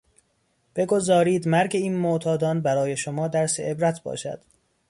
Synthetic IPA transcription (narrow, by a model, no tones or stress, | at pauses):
b̥e̞ɡo̞zɒːɾiːd̪mæɾɟe̞iːnmoʔt̪ʰɒːd̪ɒːnbæɾɒːje̞ʃomɒːd̪æɾsḛʔebɾæt̪ʰbɒ̰ːʃæ̰d̪̥